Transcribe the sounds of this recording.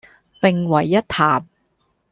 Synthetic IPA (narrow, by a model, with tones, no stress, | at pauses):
pɪ˨˩ŋwɐ˨˩jːɐ˥t̚t̪ʰaː˨˩m̚